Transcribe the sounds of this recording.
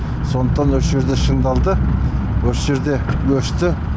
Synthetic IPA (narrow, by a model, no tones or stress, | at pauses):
so̞nd̪ə̥qt̪ɑnwosʒe̞ɾd̪eʃənd̪ɑlˠd̪ə | wosʒe̞ɾd̪e̞wɵʃt̪ɪ